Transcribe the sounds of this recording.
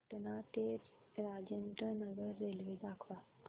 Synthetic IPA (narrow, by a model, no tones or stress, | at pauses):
ʈənat̪eɾ | ɾad͡ʑənʈ̪ənəɡəɾːelʋed̪akʰʋa